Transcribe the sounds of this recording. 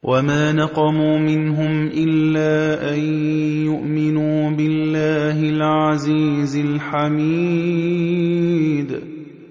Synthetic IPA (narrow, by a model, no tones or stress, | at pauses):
wʔamaːnɑqɑmuːmɪnɦʊmʔɪlːaːʔanjʊʔmɪnuːbɪlːaːɦɪlʕaziːzɪlħamiː | d̪